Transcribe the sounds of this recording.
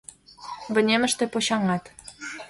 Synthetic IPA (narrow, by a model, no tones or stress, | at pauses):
bə̆nʲemə̆ʃt̪ĕpoɕɑŋɑt̪